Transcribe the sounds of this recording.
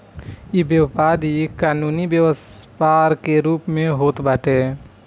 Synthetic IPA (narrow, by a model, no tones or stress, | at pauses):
ebjəwpaːɾikaːnuːnibjəwəspaːɾkeɾuːpmẽɦoːt̪baːʈe